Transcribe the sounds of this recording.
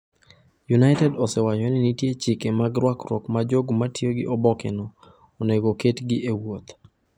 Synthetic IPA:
junaɪtɛdɔsɛwaɲɔnɪnitjet͡ʃɪkemaɡɾwakɾɔ̰kmad͡ʒoɡmatʰjoɡɪ̰ʔɔbɔkɛ̰nɔ | oneɡoketɡɪʔewot̪

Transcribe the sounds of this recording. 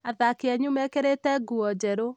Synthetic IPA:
aðakeɛɲumɛkeɾetɛɡuɔd͡ʒɛɾo

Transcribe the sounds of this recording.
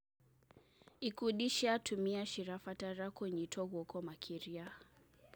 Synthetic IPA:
ikuɗiʃiatumiaʃiɾafataɾakwɛɲitʰɔɣɔkɔmakʰiɾia

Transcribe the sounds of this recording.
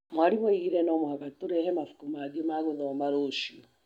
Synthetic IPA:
mwaɾimɔiɣiɾɛnɔmohakatoɾɛhɛmafu̥kumaɡiɔmaɣoðɔmaɾoʃiɔ

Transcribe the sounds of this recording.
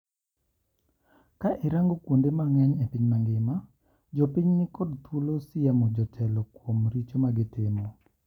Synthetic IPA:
kaʔɪɾaŋɡokwondemaŋɛɲɛpiɲmaŋɡɪma | d͡ʒɔpiɲnɪkɔdt̪wulosɪjamɔd͡ʒɔtʰɛlɔkwomɾit͡ʃomaɡɪtɪmɔ

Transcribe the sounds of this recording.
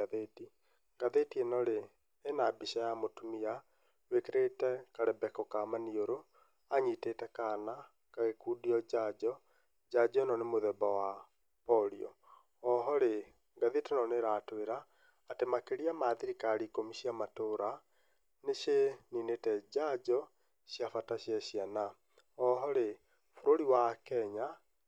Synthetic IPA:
aðeti | ɡaðetienɔɾeː | nabiʃajamotumia | wekeɾetɛkaɾɛbɛkɔkamanioɾo | aɲitetɛkana | kaɣekuːdiɔd͡ʒad͡ʒɔ | d͡ʒad͡ʒnɔnemoðɛbawa | pɔɾiɔ̰ | ɔɦɔɾe | ŋɡaðetɛnɔneɾatweɾaː | temakeɾiamaðiɾikaɾikomiɕiamatoɾa | neɕeninetɛd͡ʑad͡ʒɔ | ɕjafataɕjaɕjana | ɔɦɔɾe | foɾoɾiwakɛɲa

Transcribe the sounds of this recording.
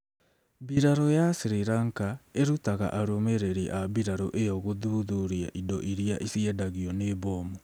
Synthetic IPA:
biɾaɾojasiɾiɾaŋkaeɾutaɣa̰ʔaɾomeɾeɾiʔaβbiɾaɾoʔejɔɣoðuðuɾia̰ʔidoʔiɾiaʔisiɛdaɣiɔneβoːmo

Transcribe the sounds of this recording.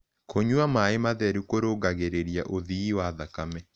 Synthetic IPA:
koɲuamaemaðɛɾukoɾoɡaɣeɾeɾiaʔoðiiwaðakamɛ

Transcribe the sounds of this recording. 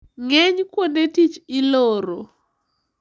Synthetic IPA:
ŋɛɲkwondetit͡ʃɪloɾo

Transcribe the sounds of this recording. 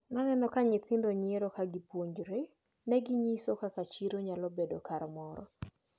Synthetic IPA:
nanɛnɔkaɲɪtɪndoɲɪeɾɔkaɡipwoɲd͡ʒɾe | nɛɡɪɲisokakat͡ʃiɾoɲalɔbedokaɾmɔɾɔ̰

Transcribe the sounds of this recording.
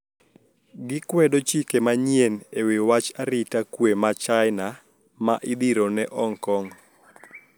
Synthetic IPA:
ɡɪkwɛdot͡ʃikemaɲjenewewat͡ʃaɾɪtakwemat͡ʃaɪna | ma̰ʔɪd̪iɾonɛʔɔŋkɔŋ

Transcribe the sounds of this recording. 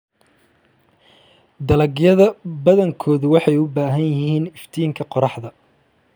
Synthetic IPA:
d̪ɐlɐɡjɐðɐbɐðɐŋkʰɔːðʊwɑħɑjʊbaːɦɐnjɪhiːnɪft̪ʰiːŋkʰɐqɔɾɑħðɐ

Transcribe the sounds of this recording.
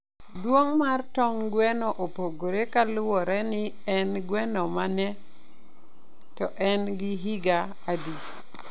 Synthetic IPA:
dwoŋmartɔŋɡwɛnɔʔopoɡoɾekalʊwɔɾɛnɪ | ɛnɡwɛnɔmanɛ | tɔʔɛnɡɪɦiɡaːdi

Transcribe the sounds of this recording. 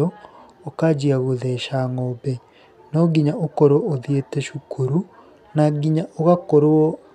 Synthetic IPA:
ɔ | okad͡ʑiaɣoðɛʃaŋɔbɛ | nɔɡiɲaʔokɔɾwɔoðietɛʃukʰuɾu | naɡiɲaʔoɣakoɾoɔ

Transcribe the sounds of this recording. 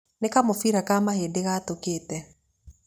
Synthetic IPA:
nekamofiɾakamaheːdeɣaːtokeːtɛ

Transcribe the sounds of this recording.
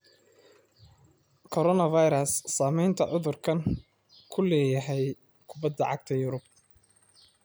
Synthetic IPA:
kʰɔɾɔnɐvɑjɾɐsːaːmɛjnt̪ʰɐʕʊðʊrkʰɐn | kʰʊlɛːjɐɦɛj | kʰʊbɐd̪ːɐʕɑ̰ɡ̚t̪ʰɐjʊɾʊb̚

